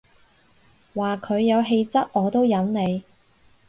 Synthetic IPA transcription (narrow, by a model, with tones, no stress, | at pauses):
waː˨kʰɵ˨˧ɥjɐ˨˧wɦe˧jt͡sɐ˥t̚ŋɔː˨˧t̪o˥wjɐ˨˥nne˨˧j